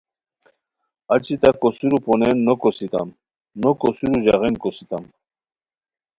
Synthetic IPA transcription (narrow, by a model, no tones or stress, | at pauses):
at͡ɕit̪akosuɾuponenːokosit̪a̰m | nokosuɾuʑaʁenkosit̪am